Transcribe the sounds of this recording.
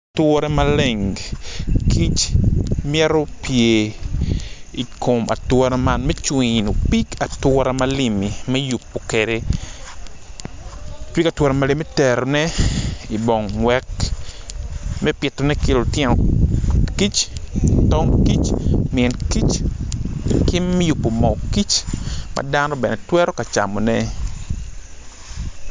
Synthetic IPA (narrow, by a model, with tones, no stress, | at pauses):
twɔ˦ɾɛ˦male˨ŋɡki˦t͡ʃmɪɛ˦ɾo˦pje˨ | i˨kʰo˨mʔa̰˨twɔ˦ɾama˦nmɛ˦t͡ʃwi˨no˨pi˦ka˨twɔ˦ɾa˦malimi˨mɛ˦jupːo˨kede | pi˦ka˨twɔ˦ɾɛ˨mali˦mɛ˦tɛɾo˨nɛ˦i˨bɔ˨ŋwɛ˦k | mɛ˦pɪ˨tːɔ˨nɛ˦ke˨lo˨tjɛ˦nɔ˨ | ki˦t͡ʃtɔ˦ŋki˦t͡ʃmiɛ˨nki˦t͡ʃ | ki˦mːɛ˦ju˨pːo˨mɔ˨ki˦t͡ʃma̰˨da˦nɔ˦bɛ˨nɛ˨twɛ˦ɾɔ˦ka˨t͡ʃa̰˨mɔ˨nɛ˦